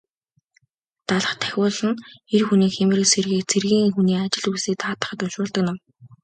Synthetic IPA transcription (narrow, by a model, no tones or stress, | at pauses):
t̪aɮə̆χt̪ʰæ̥xʲʊːɮə̆nerxuniːkxemɘ̆rɘ̆serɣiːk̚t͡sʰerɣiːŋxuniːat͡ɕɪ̆ɮuseːk̚t̪ʰaːt̪ə̥̆χə̆t̪ɵnʃʊːɮt̪ə̆k̚nam